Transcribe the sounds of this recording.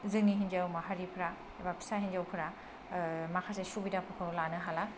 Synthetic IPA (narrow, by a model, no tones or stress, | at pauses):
zɯŋniɦind͡ʒawmaɦaɾipʰɾa | ebapʰi̥sahind͡ʒawpʰɯɾa | makʰasesubidapʰɯkʰɯwlanɯɦala